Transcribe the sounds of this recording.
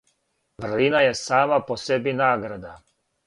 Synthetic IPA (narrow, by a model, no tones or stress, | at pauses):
ʋr̩linajesaːmaposebinaːɡɾad̪a